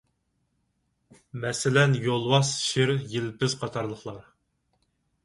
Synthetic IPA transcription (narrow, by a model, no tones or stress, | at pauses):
mɛsɪlɛnjolˠwɑsʃɪɾjilpʰɪz̥qʰɑt̪ʰɑɾlˠəχlˠɑɾ